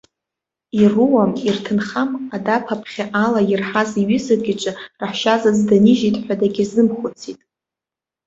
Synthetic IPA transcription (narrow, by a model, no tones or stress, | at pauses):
iruwamirtʰɨnχamadapʰapʰχʲaʔalajɪrħaziɥizaɡʲɪt͡ʃʷʼɨraħʃazazdaniʒitʼħʷᶣadaɡʲɪzɨmχʷʊt͡sʰitʼ